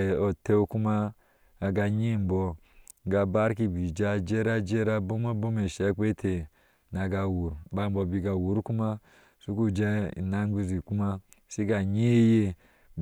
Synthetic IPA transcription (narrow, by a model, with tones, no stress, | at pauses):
o˨te˦ku˦maː˦˨ | ɡa˧ɲi˦˨m˨bo˨˦ | ɡa˨ba˦ɾki˦bi˨d͡ʒa˦˨d͡ʒe˦ɾa˦d͡ʒe˦ɾa˦bo˦ma˦bo˦me˨ʃe˦k͡pe˦tʰe˨ | na˨ɡa˨wu˨ɾba˨m˨bo˨bi˨ɡa˨wu˨˦ɾku˦ma˦ | su˦ku˦d͡ʒe˦ḭ˨na˦ŋ˦ɡi˦zi˨ku˦ma˦ | si˦ɡa˨ɲi˦je˦